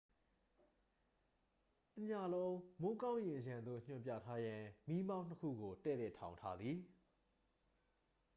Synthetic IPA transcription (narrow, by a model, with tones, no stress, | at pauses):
tə˨ɲa˨lõ˦ʊ̃mo˦kã˦ʊ̃jɪ̃˨jã˨nd̪o̰˦˨ɲ̥ʊ̰̃˨mp̬jä̰˦˨tʰa˦jã˨mi˦mã˦n̥ə˦kʰṵ˦˨ɡo˨tɛ̰˦˨lɛ˦˨tʰã˨ʊ̃ntʰa˦d̪ði˨